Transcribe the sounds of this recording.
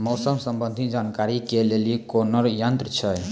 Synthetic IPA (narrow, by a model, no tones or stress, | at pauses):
mɔwsəmsəmbə̃nd̪ʱid͡ʒankaɾikelelikonəɾjənt̪ɾt͡ʃʰɛj